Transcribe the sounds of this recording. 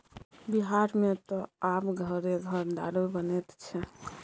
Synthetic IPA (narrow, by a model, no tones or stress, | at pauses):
biɦaɾmet̪ɔapɡʱəɾeɡʱəɾd̪a̰ɾebənɛt̪t͡ʃʰɛ